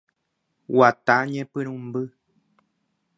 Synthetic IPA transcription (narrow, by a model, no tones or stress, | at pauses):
wataɲɛpɨnum̩bɨ